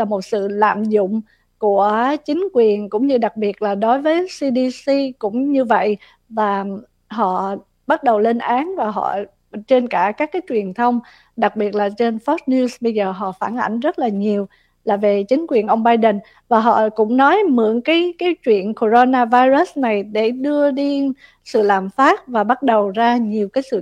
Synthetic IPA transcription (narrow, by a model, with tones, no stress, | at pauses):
laː˨˩mo˨˩t̚sɨ̰˧˨la̰ː˧˨mzʊ̰˧˨ŋ͡m | ku˧˩ət͡ɕï˨˦ŋ̟kwi˨˩ənkʊ̰˧˥ŋ͡mɲɨ˧ɗa˨˩k̚ɓi˨˩ət̚laː˨˩ɗo˨˦jvəː˨˦jsi˧ɗi˧si˧kʊ̰˧˥ŋ͡mɲɨ˧və̰˧˨j | vaː˨˩ | ɦɔ̰˧˨ | ɓa˦˥t̚ɗə˨˩wle˧nʔaː˨˦nvaː˨˩ɦɔ̰˧˨ | t͡ɕe˧nkaː˧˩kaː˦˥kːaː˨˦jt͡ɕwi˨˩ənt̪ʰə˧wŋ͡m | ɗa˨˩k̚ɓi˨˩ət̚laː˨˩t͡ɕe˧nfɔ˦˥t̚ni˧sɓə˧jzəː˨˩ɦɔ̰˧˨faː˧˩nʔa̰˧˩jŋ̟zə˦˥t̚laː˨˩ɲi˨˩əw | laː˨˩ve˨˩t͡ɕï˨˦ŋ̟kwi˨˩ənʔə˧wŋ͡mɓaː˧jɗə˨˩n | vaː˨˩ɦɔ̰˧˨kʊ̰˧˥ŋ͡mnɔ˨˦jmɨ̰˧˩əŋkaː˨˦jkaː˨˦jt͡ɕwḭ˧˨ənko˧˩zo˧naː˧vaː˧jzə˦˥sna˨˩jɗe˧˩ɗɨ˧əɗi˧ | sɨ̰˧˨laː˨˩mfaː˦˥t̚vaː˨˩ɓa˦˥t̚ɗə˨˩wzaː˧ɲi˨˩əwkaː˨˦jsɨ̰˧˨